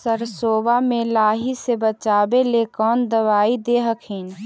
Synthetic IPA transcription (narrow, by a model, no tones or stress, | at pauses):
səɾsoːbamẽlaːɦisebət͡ʃaːbelekɔːnd̪əʋaːid̪eːɦəkʰiːn